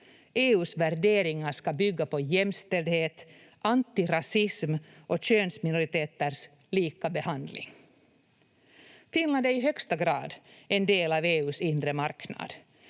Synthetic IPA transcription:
ʔeːʉːsvæɾɖeːɾɪŋaɾʂkɑbʏɡːapɔjɛmːst̪ɛld̪heːt̪ | ant̪ɪɾasɪsmʔɔɕøːnsmɪnʊɾɪt̪eːt̪əɾʂ | liːkabɛhand̪lɪ̰ŋ | fɪnland̪æɾɪɦœkst̪aɡɾɑ̰ːd̪ɛnd̪eːlɑːveːʉːsɪnd̪ɾəmaɾknɑ̰ːd̪̥

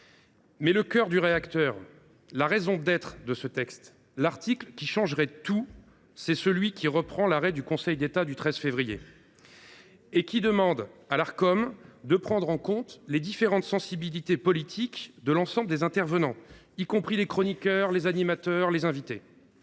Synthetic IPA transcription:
mɛləkʲœʁd̪yʁeakt̪œːʁ | laʁezɔ̃d̪ɛt̪χd̪əsət̪ɛkst̪ | laʁt̪iklkʲiʃɑ̃ʒʁɛt̪u | sɛsəlɥikʲiʁəpχɑ̃laʁɛd̪ykɔ̃sɛjd̪et̪ad̪yt̪χɛzfevʁijḛ | ekʲid̪əmɑ̃d̪alaʁkɔmd̪əpχɑ̃d̪ʁɑ̃kɔ̃t̪led̪ifeʁɑ̃t̪sɑ̃sibilit̪epɔlit̪ʰikd̪əlɑ̃sɑ̃bləd̪ezɛ̃t̪ɛʁvənɑ̃ | ikɔ̃pχilekχɔnikʲœʁlezanimat̪œʁlezɛ̃vit̪e

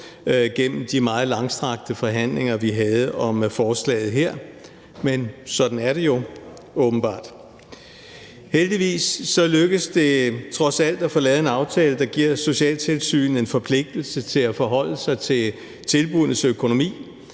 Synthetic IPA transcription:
ɡ̥en̰m̩d̥imɑ̈ːð̞̩ˠlɑ̈ŋsd̥ʁɑ̈ɡ̥̚d̥əfɒ̽ɦæn̰le̝ŋɐʋiɦɛːð̞̩ˠəʔɒ̽mfɒːslɛ̰ːð̞̩ˠɦeɐ̰ | mensɒ̽d̥n̩æɐɾe̝jo̝ | ɔ̽ːb̥n̩b̥ɑ̰̈ːd̥ | held̥iʋḭːsːɒ̽løɡ̥əsd̥e̝t͡sʰʁɒ̽sæl̰d̥æfɒ̽lɛːð̞̩ˠe̝nɑ̈ʊt͡sʰɛːləd̥ɑ̈ɡ̥iɐ̰so̝ɕiɛ̰ːlt͡sʰe̝lsy̰ːn̩e̝nfɒ̽pʰle̝ɡ̥̚d̥l̩sət͡sʰe̝læfɒ̽ɦɒ̽l̰əsɑ̈ɪt͡sʰe̝l | t͡sʰe̝lb̥unəsøkʰo̝no̝mḭː

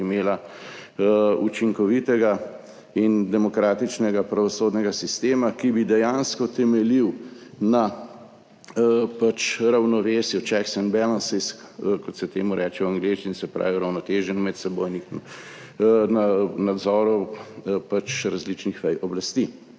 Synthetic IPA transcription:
imeːla | ut͡ʃiŋkɔʋit̪ɛɡa | ind̪ɛmɔkɾaːt̪it͡ʃnɛɡapɾaʋɔsoːd̪nɛɡasist̪eːmakibid̪ɛjaːnskɔt̪ɛmɛliwna | pat͡ʃɾawnɔʋeːsjɔt͡ʃɛksɛnbɛlansisk | kɔt̪sɛt̪eːmuɾʔɛːt͡ʃɛwaŋɡleʃt͡ʃinsɛpɾa̰ːʋiɔɾawnɔt̪eːʒɛnmɛt̪sɛbojnix | nanad̪zɔːɾɔpat͡ʃɾazlit͡ʃnixʋɛjʔɔblast̪i

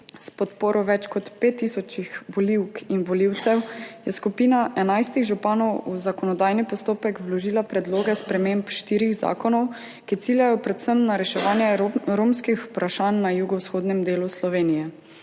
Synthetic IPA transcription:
spɔt̪poːɾʔɔʋɛt͡ʃkɔt̪pet̪ːiːsɔt͡ʃixbɔliwkinbɔliwt̪sɛwjɛskupiːnaʔɛnajst̪iɣʒupaːnɔwuzakɔnɔd̪aːjnipɔst̪oːpɛkwlɔʒiːlapɾɛd̪loːɡɛspɾɛmempʃt̪iːɾiɣza̰ːkɔnɔw | kit̪iːljajɔpɾɛt̪səmnaɾɛʃɛʋaːnjɛɾoːmskixpɾaʃaːnːajuɡɔwsxoːd̪nɛmd̪eːluslɔʋeːnijɛ

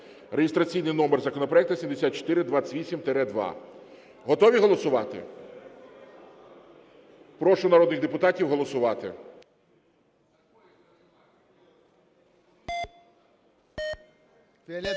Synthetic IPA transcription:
reɦɪst̪ɾɐt͡sʲijnɪjnɔmerzɐkɔnɔpɾɔɛk̚t̪ɐsʲimd̪esʲat̪̚t͡ʃɔ̥t̪ɪɾɪd̪ʋɑə̥tʲʋʲisʲimt̪ɛɾɛd̪ʋɑ̰ | ɦɔt̪ɔʋʲiɦɔlˠɔsʊʋɑt̪ɪ̰ | pɾɔʃʊnɐɾɔd̪nɪxd̪epʊt̪ɑtʲiwɦɔlˠɔsʊʋɑt̪ɪ̰

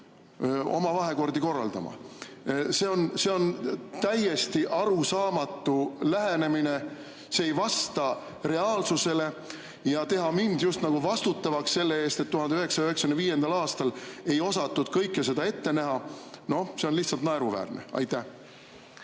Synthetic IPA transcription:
o̞̰mɑvɑɦe̞ko̞rd̪iko̞rːɑ̰ld̪ɑ̰mɑ̰ | se̞o̞nse̞o̞nt̪æje̞st̪iʔɑɾusɑːmɑt̪ːˑulæɦe̞ne̞mine̞ | seːjvɑst̪ɑ | ɾe̞ɑːlsuse̞le̞ | jɑt̪e̞ɦɑmind̪̥just̪nɑɡ̥uvɑst̪ut̪ːˑɑvɑksse̞lːe̞e̞ːst̪e̞t̪ːuhɑnd̪eyɦe̞ksɑjyhe̞ksɑ̥kynviːje̞nd̪̥ɑlɑːst̪ɑle̞jo̞sɑt̪ːud̪̥kɤjkːˑese̞d̪ɑe̞t̪ːe̞næɦɑno̞hse̞o̞nliçt̪sɑlt̪nɑeɾuvæ̰ːrnḛɑ̰jt̪ːˑæh

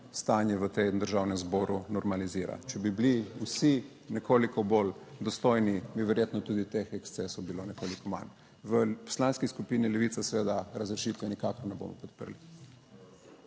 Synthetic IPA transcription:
st̪aːnjɛʋət̪emd̪əɾʒaːwnɛmzboːɾunɔɾmaliziːɾa̰t͡ʃɛbibliusi | nɛkʰoːlikɔbold̪ɔst̪oːjnibiʋɛɾjeːt̪nɔt̪uːd̪it̪exɛkst̪sesɔwbilonɛkoːlikɔma̰n | ʋəpɔ̥slaːnskiskupiːnilɛʋiːt̪sasɛʋeːd̪aɾazɾɛʃiːt̪ʋɛnikakɔɾnɛbo̰ːmɔ̰pɔt̪̚pəɾli

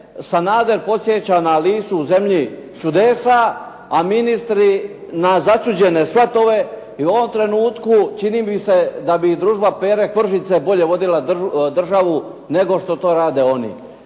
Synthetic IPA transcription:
sanaːd̪e̞ɾpo̞t̪sjet͡ɕanaliːsuuze̞mʎit͡ʃud̪esaː | minist̪ɾinazat͡ʃud͡ʑe̞ne̞sʋat̪o̞ʋe̞ | iuo̞ʋo̞mt̪ɾe̞nuːt̪kut͡ʃiniːbised̪abid̪ɾuːʒbapeɾekʋr̩ʃit̪sebo̞ʎe̞ʋo̞d̪ilad̪r̩ʒaʋu | ne̞ɡo̞ʃt̪o̞t̪o̞ːɾaːd̪eo̞nḭ

